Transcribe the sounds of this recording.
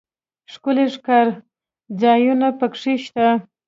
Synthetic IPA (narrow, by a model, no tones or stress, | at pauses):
ʂkʊleʂkaɾ | d͡zɑjunapəkʂiʃt̪a